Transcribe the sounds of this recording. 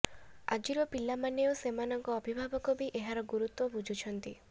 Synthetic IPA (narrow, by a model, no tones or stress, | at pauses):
a̰d͡ʒiɾɔpilamaneosemanɔŋkɔːbʱibʱabɔkɔbiʔeɦaɾɔɡuɾut̪wɔbud͡ʒʱut͡ʃʰɔnt̪i